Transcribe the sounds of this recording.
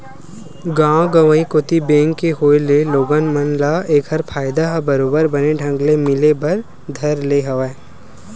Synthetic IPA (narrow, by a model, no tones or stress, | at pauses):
ɡãːɡəʋəĩkoːt̪ibẽːŋkːeɦoːeleloːɡanmənlaeːkʰɐɾpʰaːɪd̪aɦbɐɾoːbəɾbɐneɖʱɐ̃ŋɡlemɪlebɐɾ | d̪ʱɐɾleɦɐʋae